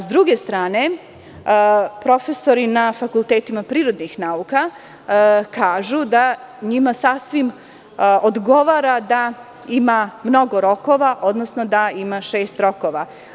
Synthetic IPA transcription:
zd̪ɾuɡe̞st̪ɾaːne̞ | pɾo̞fe̞so̞ɾinafakulˠt̪eːt̪imapɾiːɾo̞d̪nixnauka | kaːʒud̪a | ɲimasasʋim | od̪ɡo̞ʋaːɾad̪a | imamno̞ɡo̞ɾo̞ko̞ʋaʔo̞d̪nosno̞d̪aimaʃeːst̪ɾo̞koʋa

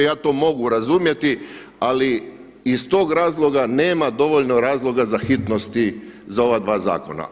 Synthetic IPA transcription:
jaːt̪o̞ːmo̞ɡuɾazumje̞t̪i | ali | ist̪o̞ːɡɾaːzlˠo̞ɡane̞ːmad̪o̞ʋo̞ʎno̞ɾaːzlˠo̞ɡazaxit̪no̞st̪izao̞ʋad̪ʋaːza̰ːko̞̰na̰

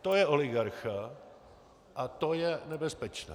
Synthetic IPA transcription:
t̪ojɛʔolɪɡaɾxa | ʔat̪ojɛnɛbɛspɛt͡ʃnɛ̰

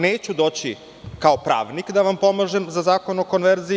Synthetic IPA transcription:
neːt͡ɕud̪o̞ːt͡ɕi | kaopɾa̰ːʋnikd̪aʋampo̞maʒemzazaːko̞noko̞nʋeɾzi

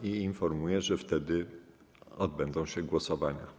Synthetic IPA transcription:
iinfɔɾmujɛʐɛft̪ɛd̪ɘ | ɔd̪̚bɛnd̪ɔ̃w̃ɕɛɡwɔsɔvaɲa̰

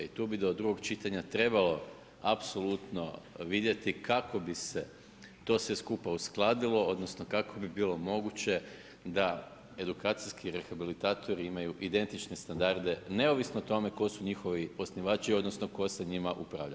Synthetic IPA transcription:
it̪uːbid̪o̞d̪ɾuɡo̞ɡt͡ʃit̪aɲat̪ɾe̞balo̞ | apso̞lˠut̪no̞ʋid̪je̞t̪ikʰako̞bise̞ | t̪o̞ːsʋe̞skupausklˠaːd̪ilˠo̞o̞d̪nosnokakʰo̞bibiːlo̞mo̞ɡut͡ɕe̞ | d̪a | e̞d̪ukaːt̪sijskiɾe̞xabilit̪aːt̪ʰo̞ɾiimajuʔid̪e̞nt̪it͡ʃne̞st̪and̪aɾd̪e̞ne̞o̞ʋisnoot̪o̞me̞ko̞suɲixoʋio̞sniʋaːt͡ʃio̞d̪nosnoko̞se̞ɲimaʔupɾa̰ːʋʎa̰

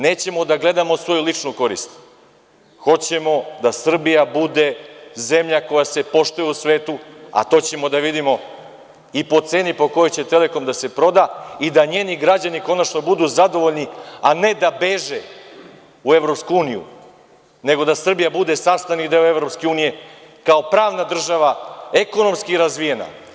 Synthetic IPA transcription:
ne̞ːt͡ɕe̞mo̞d̪aɡle̞d̪amo̞sʋo̞julit͡ʂnuko̞ɾḭst̪ | xo̞t͡ɕe̞mo̞d̪asr̩bijabud̪e̞ze̞mʎako̞jase̞po̞ʃt̪ujeusʋeːt̪ua̰t̪o̞ːt͡ɕe̞mo̞d̪aʋid̪imo̞ | ipo̞t̪se̞ːnipo̞kojo̞jt͡ɕe̞t̪e̞le̞ko̞md̪ase̞pɾo̞d̪aid̪aɲe̞ːniɡɾad͡ʑaniko̞nat͡ʃno̞bud̪uːzad̪o̞ʋo̞ʎniane̞d̪abe̞ʒe | ue̞ʋɾopskuuːnijṵ | ne̞ɡo̞d̪asr̩bijabud̪e̞sast̪anid̪e̞oe̞ʋɾo̞pske̞uːnije̞kao̞pɾaːʋnad̪r̩ʒaʋae̞ko̞no̞mskiɾazʋije̞na̰

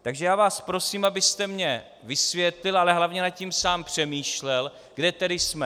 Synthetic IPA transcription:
t̪aɡʒɛjaːvaːspɾo̞siːmabɪst̪ɛmɲɛ | vɪsvjɛt̪lɪlʔalɛɦlavɲɛnat̪̚cimsaːmpr̝̥ɛmiːʃlɛl | ɡ̥dɛt̪ɛdɪsmɛ

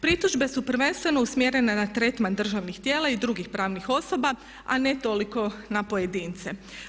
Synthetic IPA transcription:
pɾit̪uʒbe̞supr̩ʋe̞nst̪ʋe̞no̞usmjeɾe̞nenat̪ɾet̪mand̪r̩ʒaʋnixt̪je̞ːlˠaid̪ɾuɡixpɾaːʋnixo̞so̞ba | a̰ne̞t̪o̞liko̞napoje̞d̪iːnt̪se

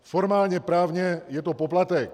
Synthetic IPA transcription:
fɔɾmaːlɲɛpɾaːvɲɛjɛt̪ɔpɔplat̪ɛk

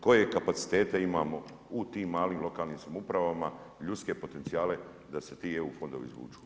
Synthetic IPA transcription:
ko̞je̞kapat̪si̥t̪e̞ːt̪eimaːmo̞ | ut̪iːmːaːliːmlo̞kaːlniːmsamoupɾaʋama | ʎut̪ske̞po̞t̪e̞nt̪sijaːle̞ | d̪ase̞t̪ieufo̞nd̪oʋḭzʋṵːt͡ʃu̥

